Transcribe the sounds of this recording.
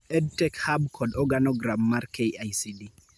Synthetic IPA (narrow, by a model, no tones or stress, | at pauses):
ɛd̚tɛkhab̚kʰɔdɔɡanɔɡɾamːaɾkʰeajsidi